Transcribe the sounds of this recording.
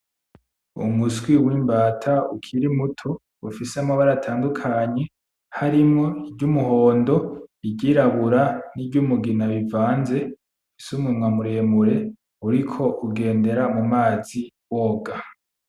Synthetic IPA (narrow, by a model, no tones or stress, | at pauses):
ṵmuswiwiːmbaːtʰaukʰiɾimutʰo̞ | ufisamoβaɾatʰaːndukʰaɲe̞ | haɾimŋo̞ibɟumuɦoːndo̞iɟiɾaβuɾanibɟumuɡinaβivaːnze̞ | ufi̥sumumwamuɾe̞ːmuɾe̞ | uɾikʰo̞ʔuɡe̞ːnde̞ɾamumaːzi | wo̞ːɡa